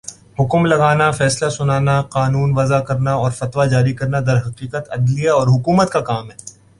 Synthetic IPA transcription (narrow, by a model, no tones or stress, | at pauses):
hʊkmlɐɡaːnafɛːslasʊnaːnaqaːnuːnʋɐzakɐɾnaɔːɾfɐt̪wad͡ʒaːɾikɐɾnad̪ɐɾɦɐqiːqət̪ɐd̪lijaɔːɾɦʊkuːmət̪kakaːmɦɛː